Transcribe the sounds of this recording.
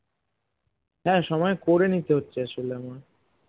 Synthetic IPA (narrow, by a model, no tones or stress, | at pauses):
ɦɛːʃɔmɔekoɾenit̪eɦotːɕʰeʃulema